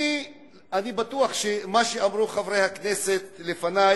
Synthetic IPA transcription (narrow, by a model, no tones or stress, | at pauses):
i | anibat̪uaχʃemaʃeamɾuχavʁejhakneset̪lefana